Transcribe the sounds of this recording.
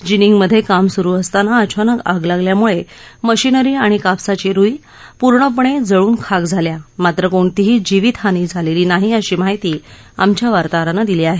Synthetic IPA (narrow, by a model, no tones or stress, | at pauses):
d͡ʑiniŋɡməd̪ʱːjekamsuɾuːəst̪anaət͡ɕʰanəka̰ɡlaɡljamuɭeməɕinəɾiːaɽ̃ikapsat͡ɕiɾui | puɾɳəp̬əɳ̃ed͡zəɭuːnkʰaɡd͡zʱaljamat̪ɾəkoɳt̪iɦiːd͡ʑiʋit̪ɦaniːd͡zʱaleliːnaɦiəɕiːmaɦit̪iː | a̰mt͡ɕjaʋaɾt̪aɾanəd̪iliːaɦe